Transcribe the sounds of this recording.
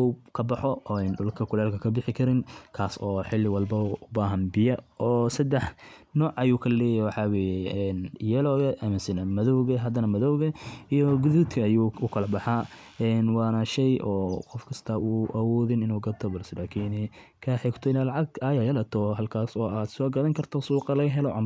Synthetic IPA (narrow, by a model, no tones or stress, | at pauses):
ukʰɐbɐħɔʔɔːɛnɖʊlkʰɐkʰʊlɛːlkʰɐkʰɐbɪħɪkʰɐɾɪnkʰaːsɔːħɪlːɪwɐlbɐʊbaːɦɐnbɪjɐʔɔːsɐd̪ɛħnɔːʕʔɐjuːkʰɐlɛːjɐjwɑħɑːwɛːjɛɛnjɛlɔːɣɐʔɐmɪnsɪnɐmɐðɔwɣɐɦɐd̪ɐnɐmɐðɔwɣɐijɔɡʊðuːt̪kʰɐːjuːʊkʰɐlɐbɐħa | ɛnwɑːnɐʃɛjʔɔːqɔfkʰɐst̪ʰɐuːʔɐwɔːðɪnɪnuːɡɐt̪ʰɔbɐlsɛlaːkʰiːnɛ | kʰɐːħɛɡt̪ʰɔɪnalɐʕɑɡajɐjɐlɐt̪ʰɔɦɐlkʰaːsɔːaːd̪sɔːɡɐðɐŋkʰɐrt̪ʰɔsuːqʼɑlɐɣɐɦɛlɔʔɐ̰m